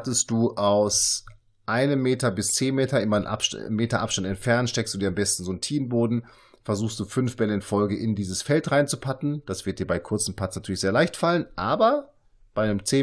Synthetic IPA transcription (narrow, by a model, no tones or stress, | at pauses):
təst̚d̥uːʔaʊs | ʔaɪnəmːeːtɐbɪst͡seːnmeːtɐʔɪmɐnʔa̰meːtɐʔapʃtantɛntfɛɐntʃtɛksd̥uːdiːɐambɛstn̩zoːntʰiːnboːdn̩ | fɛɐzuːxstd̥uːfʏnfb̥ɛləɪnfɔlɡəʔɪndiːzəsfɛltʁaɪnt͡supʰatn̩d̥asv̥ɪɐt̚d̥iːɐbaɪkʰʊɐt͡sm̩pʰat͡snatʰyːɐlɪçz̥eːɐlaɪçtfalənʔaːbɐ | b̥aɪnəmt͡seː